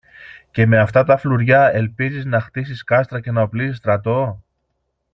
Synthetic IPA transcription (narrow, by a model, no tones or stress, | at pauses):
ce̞me̞ɐft̪ɐt̪ɐfluɾʝɐe̞lpiziznɐxt̪isiskɐst̪ɾɐce̞nɐoplisist̪ɾɐt̪o̞